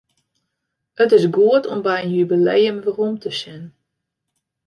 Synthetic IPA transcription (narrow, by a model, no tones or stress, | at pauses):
ətɪsɡuətʰɔmbɛjənjybilejəmʋərumtʰəsɪn